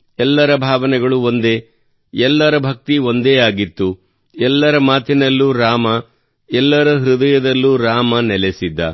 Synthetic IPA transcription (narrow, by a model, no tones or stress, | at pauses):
ɛlːɐɾɐbʱaːʋɐnɛɡɐɭuo̞nd̪eː | ɛlːɐɾɐbʱɐk̚t̪io̞nd̪eːaːɡit̪ːu | ɛlːɐɾɐmaːt̪inɐlːuɾaːmɐ | ɛlːɐɾɐɦɾud̪ɐjɐd̪ɐlːuɾaːmɐnɛlesid̪ːɐ